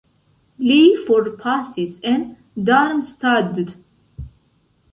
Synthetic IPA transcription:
lifɔɾpʰasizɛ̃n | d̪aɾmst̪ad̪d̪

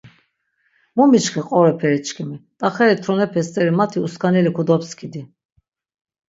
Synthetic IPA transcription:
mumit͡ʃχiqʼɔɾɛpʰɛɾit͡ʃʰkʰɛmit̪ʼaχɛɾit̪ʰɾɔnɛpʰɛst̪ʼɛɾimat̪ʰiuskʰanɛlikʰud̪ɔpskʰid̪i

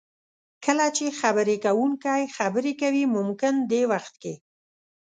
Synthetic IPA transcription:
kəlat͡ʃexabəɾekawuŋkajxabəɾekawimʊmkɪnd̪ewaxt̪̚ke

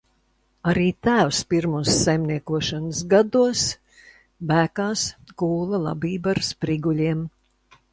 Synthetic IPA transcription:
aɾiːt̪æːwspiɾmuɔsːajmniɛkuɔʃansɡad̪uɔs | bæːkaːskuːlˠalˠa̰biːbaɾspɾiɡulʲiɛm

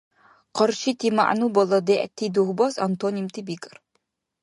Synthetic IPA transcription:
qɔɾʃit̪ʰima̰ʔnubɔlɔd̪ɛʔt̪ʰːid̪uhbɔsant̪onimt̪ʰibikʼə̥r

